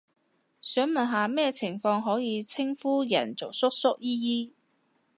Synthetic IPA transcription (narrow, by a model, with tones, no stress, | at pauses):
sœː˨˥ŋmɐ˨nɦaː˨˧mɛː˥t͡sʰɪ˨˩ŋfɔː˧ŋɦɔː˨˥jiː˨˧t͡sʰɪ˥ŋfuː˥jɐ̰˨˩nt͡so˨wsʊ˥k̚sʊ˥k̚jiː˥jiː˥